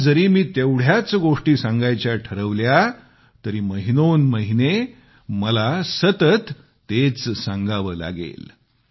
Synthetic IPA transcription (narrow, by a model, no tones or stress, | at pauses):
d͡zəɾiːmiːt̪ewɽ̤jat͡sɡoʂʈiːsãŋɡajt͡ɕjaʈʰəɾəʋlja | t̪əɾiːməɦinonməɦine | məlasət̪ət̪ː | et͡ssaŋɡaʋəːla̰ɡḛl